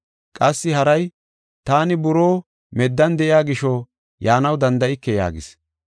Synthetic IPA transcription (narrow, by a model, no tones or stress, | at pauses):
kʼɐsːɪhɐɾɐj | t̪aːnɪbʊɾoː | mɛd̪ːɐnd̪ɛʔɪjaːɡɪʃɔ | jaːnɐwd̪ɐnd̪ɐʔɪkːɛja̰ːɡɪs